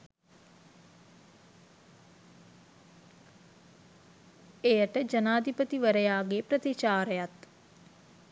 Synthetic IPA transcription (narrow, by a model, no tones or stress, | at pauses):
ejəʈəd͡ʒənaːd̪ʱipət̪iʋəɾəjaːɡepɾət̪it͡ʃaːɾəjat̪